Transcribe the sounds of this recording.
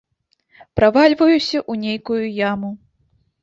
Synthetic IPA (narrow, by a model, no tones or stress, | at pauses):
pɾavalʲvɐjusʲɐʔunʲejkujujamu